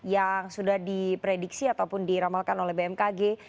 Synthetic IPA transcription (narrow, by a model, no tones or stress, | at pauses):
jaŋsudahdipɾediksiat̪awpʊndiɾamalkanolɛhbeɛmkaɡe